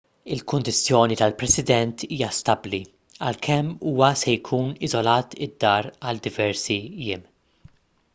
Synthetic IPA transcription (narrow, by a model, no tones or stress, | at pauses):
ɪlkʊnd̪ɪt͡sːjɔːnit̪ɐlpɾɛsɪd̪ɛnt̪ʰiːjɐst̪ɐbli | ɐ̰lkʰɛmːuːwɐsɛjkʰuːnɪzɔlɐːt̪ɪd̪ːɐːɾɐld̪ɪvɛɾsijɪːm